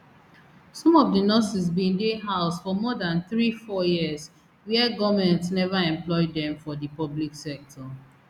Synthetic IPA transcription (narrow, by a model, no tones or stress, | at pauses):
sɔ̃mɔvdənɔsis̬bĩndeɦaʊsfɔmɔdãnθɹifɔjis | wiɛɡɔvmɛ̃ntsnɛvaɛ̃mplɔɪdɛ̃mfɔdipɔbliksɛk̚tʰɔ